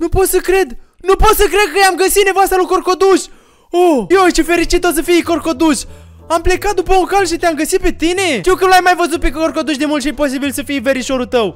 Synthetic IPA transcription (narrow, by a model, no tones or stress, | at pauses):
nupo̞t̪səkɾe̞d̪nupo̞t̪səkɾe̞d̪̚kəjamɡəsit̪nevoast̪əlukorko̞d̪uʃʲ | ojot͡ʃefe̞ɾit͡ʃit̪os̬əfijko̞rko̞d̪uʃʲ | ample̞kat̪̚d̪upəuŋkalʃit̪eamɡəsit̪̚pe̞t̪ine̞t̪iuwkəluajmajvəzut̪̚pe̞korko̞d̪uʃ̬ʲd̪e̞mult̪ʃijepo̞sibilsəfijveɾiʃo̞ɾut̪əw